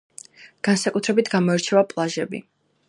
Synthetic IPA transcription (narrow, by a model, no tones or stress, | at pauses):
ɡ̥ansakʼut̪ʰɾɛbit̪ʰɡamɔɛɾt͡ʃʰɛvapʼlˠaʒɛbḭ